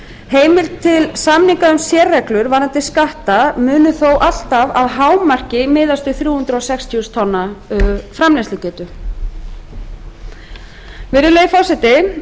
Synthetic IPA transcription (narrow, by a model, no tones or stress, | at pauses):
heːjmɪlt̪ʰɪlsamniŋkaʏmsjɛːrːɛklʏɾvaːɾant̪ɪskaht̪amʏːnʏθowʔal̥t̪avaðɦaːwmar̥cɪmɪːðast̪ʏθɾjuːhʏnt̪ɾɔsɛkst̪ʰiʏst̪ʰɔnːafɾamlɛnst̪ʏcɛːt̪ʏ | vɪɾʏleːjfɔsɛt̪ɪ